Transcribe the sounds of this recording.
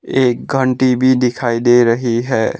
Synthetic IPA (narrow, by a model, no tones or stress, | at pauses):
eːk̚ɡʱə̃ɳʈibʱid̪ɪkʰaːid̪eːɾɐɦiɦɛː